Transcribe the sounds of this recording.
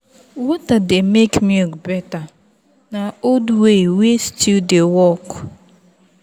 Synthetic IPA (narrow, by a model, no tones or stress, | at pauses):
wɔtademekmiɡbɛta | naoduwewestʰudewɔk